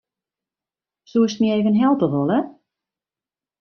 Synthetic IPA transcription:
suəstmieːvənɦɛlˠtəɦolˠə

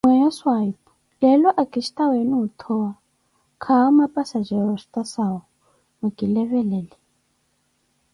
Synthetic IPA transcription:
mwɛjɔswaipu | lɛlɔʔakʼiʃtʼaweniut̪ʰɔwa | kʰaumapʼasad͡ʒɛɾɔst̪ʼasawɔ | muɡʼilɛβɛlɛli

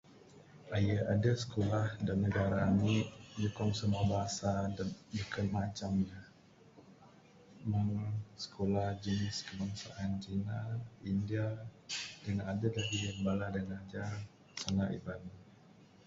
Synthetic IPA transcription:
ʔajəʔadəsə̥kolahdanːəɡaɾaːniʔd͡ʒukɔŋsəmuabaɦasadabukanmat͡ʃamɲa | maŋsə̥kʰolahd͡ʒənɪskəbaŋsa̰ʔand͡ʒinaindia | danadədaɡiəmbaladaŋad͡ʒar | sanaʔḭbani

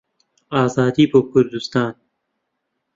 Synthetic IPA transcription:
ɑːzɑːd̪ipəkʊɾd̪ust̪ɑːn

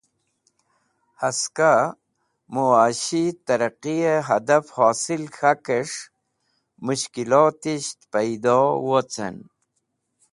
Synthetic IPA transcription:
haska | muaːɕit̪aɾaqijeɦad̪afhoːsilxakeʂ | muɕkilot̪iɕt̪pajd̪owot͡sa̰n

